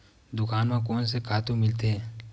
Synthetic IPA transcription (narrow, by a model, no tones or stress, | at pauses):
d̪ʊkaːnmãkoːnsekʰaːt̪ũmɪlt̪eɦɛː